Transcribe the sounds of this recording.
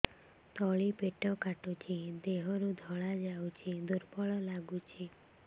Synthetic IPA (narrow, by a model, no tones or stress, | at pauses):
t̪ɔɭipeʈɔkaʈut͡ʃʰid̪eɦɔɾud̪ʱɔɭad͡ʒawt͡ʃʰid̪uɾpɔɭɔlaɡut͡ʃʰi